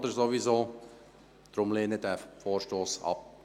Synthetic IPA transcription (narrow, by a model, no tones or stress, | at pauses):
d̪əɾzoʋizoː | d̪̥ɾʊmleːnədæːfoːɾʃtoːsɑ̰p̚